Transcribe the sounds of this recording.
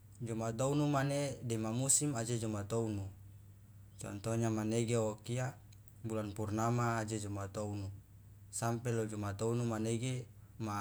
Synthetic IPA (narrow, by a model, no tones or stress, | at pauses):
d͡ʒɔmat̪ounumanedɛmamusimad͡ʒed͡ʒɔmat̪ounu | t͡ʃɔ̰nt̪oɲamaneɡeokia | bulanpurnamaːd͡ʒed͡ʒumat̪ounu | sampɛlod͡ʒumat̪ounumaneɡe | ma